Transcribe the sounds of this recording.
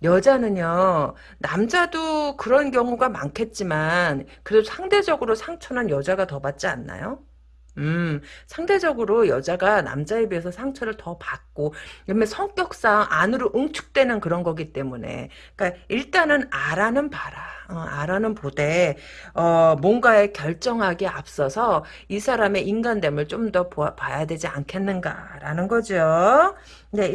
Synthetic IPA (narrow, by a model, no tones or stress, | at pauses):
jʌd͡ʑanɯɲo | namd͡ʑadokɯɾʌnkjʌŋuɡama̰nkʰe̞t̚t͡ɕ͈imankɯɾedosʰaŋde̞d͡ʑʌɡɯɾosʰaŋt͡ɕʰʌnɯnjʌd͡ʑaɡatʌbat̚t͡ɕ͈ia̰nːa̰jo | ɯsʰaŋde̞d͡ʑʌɡɯɾojʌd͡ʑaɡana̰md͡ʑaebɥies̬ʰʌsʰaŋt͡ɕʰʌɾɯɭtʌpak̚k͈oiɾʌmesʰʌŋk͈jʌk̚s͈aŋʔanɯɾoʔɯŋt͡ɕʰu̥k̚t͈we̞nɯnkɯɾʌnɡʌɡit͈e̞mune̞̰ | k͈aiɭt͈anɯnaɾanɯnpaɾaʌaɾanɯnpode̞ | ʌmwʌŋɡae̞kjʌɭt͡ɕ͈ʌŋɦaɡeap̚s͈ʌsʰʌ | isʰaɾame̞ʔinɡande̞mɯɭt͡ɕ͈omdʌpopajadwe̞d͡ʑiankʰe̞nːɯnɡa̰ɾanɯnɡʌd͡ʑijo | ne̞